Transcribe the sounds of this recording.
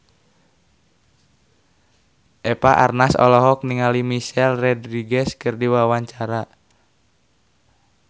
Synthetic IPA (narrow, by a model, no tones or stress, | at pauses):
ʔɛpaʔa̰rnasɔ̰lɔɦɔk̚niŋalimiʃɛlrɛdɾiɡɛskɨrdiwawaɲt͡ʃaɾa